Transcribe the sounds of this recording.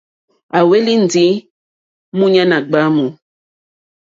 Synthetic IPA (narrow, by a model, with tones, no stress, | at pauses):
a˨we˦li˦n̩˨di˨˦ | mũ˦ɲa˦na˨ɡ͡ba˦mu˨